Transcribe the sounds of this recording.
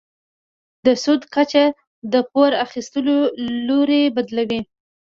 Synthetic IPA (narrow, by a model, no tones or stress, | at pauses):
d̪əsud̪kat͡ʃa | d̪əpoɾaxist̪əloloɾebad̪lawi